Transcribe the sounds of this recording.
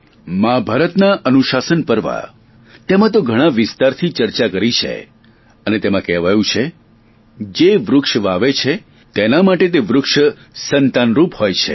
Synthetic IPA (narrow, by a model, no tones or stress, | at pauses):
mãbʱaɾət̪naʔənuʃasənpəɾʋa̰ | t̪emãt̪̬oɡʱəɽ̃ãʋɪst̪aɾt̪ʰit͡ʃəɾt͡ʃakəɾit͡ʃʰḛ | ənet̪emãkɛʋajũt͡ʃʰe | d͡ʒeʋɾʊkʂʋaʋet͡ʃʰe | t̪enamaʈet̪eʋɾʊkʂə | sənt̪anɾuphojt͡ʃʰḛ